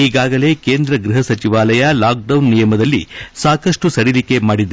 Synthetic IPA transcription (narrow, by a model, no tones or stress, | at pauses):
iːɡaːɡɐle̞ːkeːnd̪ɾɐɡɾuɦɐsɐt͡ʃiʋaːlɐjɐlaːk̚ɖɐwnːijɐmɐd̪ɐlːḭsaːkɐʂʈusɐɽilike̞maːɽid̪ː